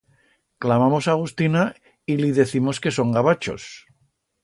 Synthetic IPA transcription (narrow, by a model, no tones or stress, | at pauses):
klamamo̞saɣ̞ust̪ina | iliðe̞θimo̞ske̞so̞ŋɡaβat͡ʃo̞̰s